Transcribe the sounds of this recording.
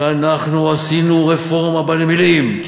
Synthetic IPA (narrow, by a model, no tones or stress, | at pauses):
anaχnuasinuʁefo̞ʁmabalmilim